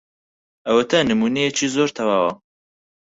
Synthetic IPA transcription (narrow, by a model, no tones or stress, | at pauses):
ɐwɐt̪ʰɐnɨmuːnejet͡ʃʰiːzoːɾt̪ʰɐwaːwɐ